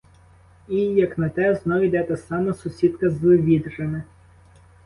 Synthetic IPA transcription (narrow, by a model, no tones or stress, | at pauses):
ijɐknɐt̪ɛznɔʋʲid̪ɛt̪ɛsɑmɐsʊsʲit̪kɐzʋʲid̪ʒemɪ